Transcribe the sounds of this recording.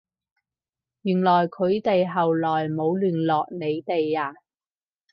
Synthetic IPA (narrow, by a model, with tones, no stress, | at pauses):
jyː˨˩nlɔː˨˩jkʰɵ˨˧ɥt̪e˨jɦɐ˨wlɔː˨˩jmo˨˧wlyː˨˩nlɔː˨k̚ne˨˧jt̪e˨jaː˧